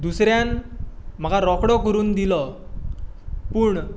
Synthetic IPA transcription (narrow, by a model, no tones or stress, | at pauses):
d̪usɾjanm̤əɡaɾɔkɽɔkəɾuːnd̪ilɔ | puːɳ